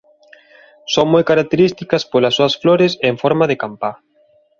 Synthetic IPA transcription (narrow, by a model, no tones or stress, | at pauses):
soŋmojkaɾak̚t̪eɾist̪ikɐspolɐsːoɐsfloɾɪseɱfɔɾmaðekampa